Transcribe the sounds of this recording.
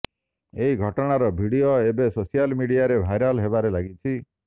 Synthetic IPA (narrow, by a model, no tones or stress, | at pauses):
eɦiɡʱɔʈɔɽ̃aɾɔbʱiɽioebesosijalmiɽiaɾebʱajɾalɦebaɾelaɡit͡ʃʰi